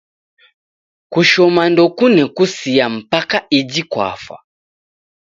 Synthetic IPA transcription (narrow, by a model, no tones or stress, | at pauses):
kuʃɔmandɔkunɛkusijam̩pakaid͡ʒikwa̰fa̰